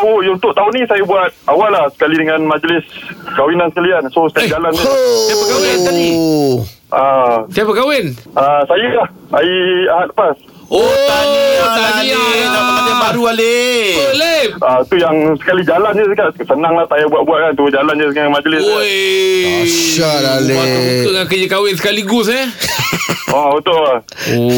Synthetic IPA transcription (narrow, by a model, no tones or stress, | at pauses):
aujunt̪ʊʔ̚t̪aunisajabuat̪̚awalːahsə̥kalidəŋanmad͡ʒlɪsəkawinansə̥kaliansosəkald͡ʒalanusajapəkawɪani | ʔasajapəkawɪnʔasajəlah | aiaɦat̪̚ləpas | oaəalaɡinaaabaɾualeəleait̪ujaŋsə̥kalid͡ʒaland͡ʒəs̬ikaʔsənaŋlaht̪ajabuaʔ̪̚buat̪̚kant̪uəd͡ʒaland͡ʒəsikamad͡ʒəlɪsoj | ʃalaleut̪oʔŋakəd͡ʒəkawɪns̬ə̥kaliɡʊsa | aət̪oʔa | o